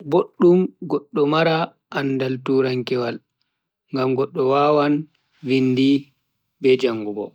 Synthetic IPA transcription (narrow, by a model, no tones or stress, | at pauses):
boɗːumɡɔɗːɔmaɾa | ʔanːdaltuːɾaŋkɛwal | ŋɡamɡɔɗːɔwaːwan | windi | bɛd͡ʒaŋːɡubɔ̰